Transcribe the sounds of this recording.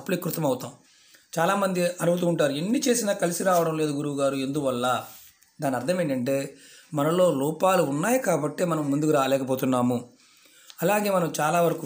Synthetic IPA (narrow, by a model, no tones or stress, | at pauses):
ɐplikːɾut̪ɐmɐwt̪aːm | t͡ʃaːlaːmɐnd̪iɐnubʱut̪̬uːɳʈaːɾuenːit͡ʃe̞ːsinaːkɐlisiɾaːʋɐɽɐmle̞ːd̪uɡuɾuɡaːɾue̞nd̪uʋɐlːaː | d̪aːnːiɐɾt̪ʰɐmeːɳɐɳʈe̞ːmɐnɐlo̞ːlɔːpaːluːnːaːjɐkaːbɐʈːeːmɐnɐmːund̪ukuɾaːlɛːkɐp̬o̞ːt̪unːaːmu | ɐlaːɡe̞ːmɐnɐmt͡ʃaːlaːʋɐɾɐku